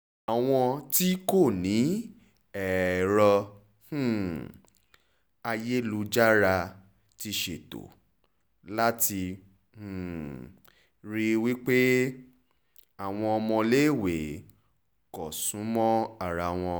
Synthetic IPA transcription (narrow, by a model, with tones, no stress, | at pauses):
a˨w̃ɔ̃˧ti˦ko˦˨nĩ˨˦ | ɛ˨ɾɔ˧ | h̩˦˨ | a˧je˦lu˧d͡ʒa˦ɾa˧ | ti˧ʃe˨to̰˨ | la˦ti˧ | h̩˨ | ɾi˧wi˦k͡pe˦ | a˦˨w̃ɔ̃˧ɔ˧mɔ̃˧le˦˨we˨ | kɔ˨sũ˨˦mɔ̃˦a˦˨ɾa˧w̃ɔ̃˧